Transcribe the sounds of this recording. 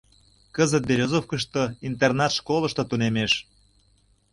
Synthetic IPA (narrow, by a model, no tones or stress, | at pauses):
kəzət̪̚beɾʲozofkəʃt̪oint̪ernɑt̪ʃkoləʃt̪ŏt̪unemeʃ